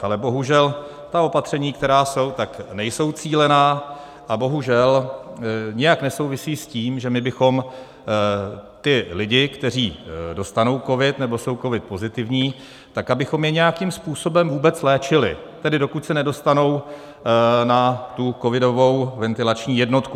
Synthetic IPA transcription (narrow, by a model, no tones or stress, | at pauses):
ʔalɛbo̞ɦuʒɛl | t̪ao̞pat̪r̝̥ɛɲiːkt̪ɛɾaːso̞wt̪aknɛjso̞wt͡siːlɛnaː | ʔabo̞ɦuʒɛl | ɲɪjaknɛso̞wvɪsiːsciːmʒɛmɪbɪxo̞m | t̪ɪlɪɟɪkt̪ɛr̝iːdo̞st̪ano̞wko̞vɪt̪nɛbo̞so̞wko̞vɪt̪̚po̞zɪt̪ɪvɲiː | t̪akabɪxo̞mjɛɲɛjakimspuːso̞bɛmvuːbɛt͡slɛːt͡ʃɪlɪ̰t̪ɛdɪdo̞kucsɛnɛdo̞st̪ano̞w | nat̪uko̞vɪdo̞vo̞wvɛnt̪ɪlat͡ʃɲiːjɛdno̞t̪ku